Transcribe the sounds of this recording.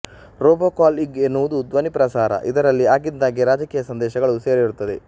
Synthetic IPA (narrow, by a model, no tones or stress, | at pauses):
ɾoːbokaːliɡenːuʋud̪ud̪ʋɐnipɾɐsaːɾɐ̰ʔid̪ɐɾɐlːiaːɡid̪ːaːɡiɾaːd͡ʒɐkiːjɐsɐnd̪ɛːʃɐɡɐɭuseːɾiɾut̪ːɐd̪e